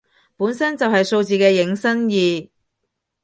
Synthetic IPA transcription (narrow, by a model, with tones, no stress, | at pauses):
puː˨˥nsɐ˥nt͡sɐ˨wɦɐ˨jso˧wt͡siː˨kɛː˧jɪ˨˥ŋsɐ˥njiː˨